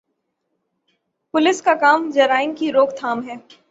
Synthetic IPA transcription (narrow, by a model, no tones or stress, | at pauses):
pʊlɪskakaːmd͡ʒɐɾaːɪnkiɾoːkt̪ʰaːmɦɛː